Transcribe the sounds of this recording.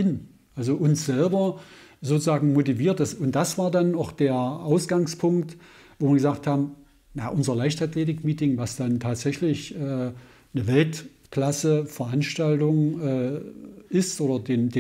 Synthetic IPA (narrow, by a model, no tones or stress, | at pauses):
ɪn | ʔalzoʔʊnsz̥ɛlbɐzoːt͡suzaːɡŋ̩motiviːɐt̚d̥asʊnt̚d̥asv̥aːɐdanaʊxd̥eːɐʔaʊsɡ̥aŋspʰʊŋkt | voːviːɐɡəzaːk̚thaːbm̩ | naʔʊnzɐlaɪçtatleːtɪkmiːtɪŋvasd̥antʰaːtz̥ɛçlɪçʔɛː | nəvɛlt | klasəfɛɐʔanʃtaltʊŋʔɛː | ɪstʔoːdɐdeːndeː